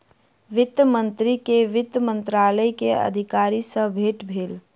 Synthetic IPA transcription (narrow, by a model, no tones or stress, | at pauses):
ʋɪt̪əmənt̪ɾikeʋɪt̪ːəmə̃nt̪ɾaːləjkeə̰d̪ʱikaːɾisə̃bʱeːʈbʱeːl